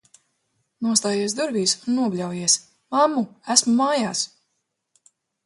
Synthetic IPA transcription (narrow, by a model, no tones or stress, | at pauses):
nuɔst̪aːjiɛs̬d̪uɾviːsunːuɔblʲawjiɛs | mamːuæsmumaːjaːs